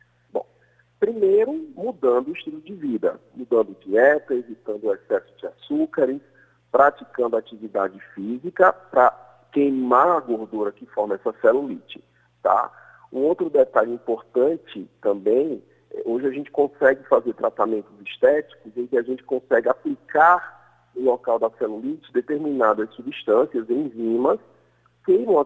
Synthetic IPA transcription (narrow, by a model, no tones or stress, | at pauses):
bõ̰w̃ | pɾimejɾʊmud̪ɐ̃nd̪ʊiʃt̪ud̪ʊd͡ʒɪvid̪ɐ̰mud̪ɐ̃nd̪ʊd͡ʒiɛt̪ɐevit̪ɐ̃nd̪ʊɛsɛsʊ̥d͡ʒɪasukaɾɪs | pɾat͡ʃikɐ̃nd̪ʊat͡ʃivid̪a̰d͡ʒɪfizikɐpɾɐ | kejmaɾaɡoɾd̪uɾɐkɪfɔɾmɐɛsɐsɛlulit͡ʃɪ̥ | t̪a̰ | ũowt̪ɾʊd̪ɛt̪aʎĩpoɾt̪ɐ̃t͡ʃɪt̪ɐ̃mbẽj̃ | ɛʔoʒɪaʒẽnt͡ʃɪ̥kõsɛɡɪfazeɾt̪ɾat̪amẽnt̪ʊziʃt̪ɛt͡ʃi̥kʊzẽkɪaʒẽnt͡ʃɪ̥kõsɛɡɪaplikaɾ | ʊlɔkawd̪ɐsɛlulit͡ʃɪd̪et̪eɾmĩnad̪ɐssubiʃt̪ɐ̃siɐzẽj̃zĩmɐs | kejmɐ̃w̃